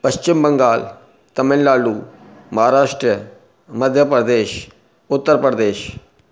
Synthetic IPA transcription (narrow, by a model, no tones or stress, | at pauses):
pɐst͡ʃɪmbɐŋɡaːl | t̪ɐmɪnlaːluː | mɐɦaːɾaːʂʈɾiə | mɐd̪ʱjəpɾəd̪eːʃ | ʊt̪ːəɾpɾəd̪eːʃ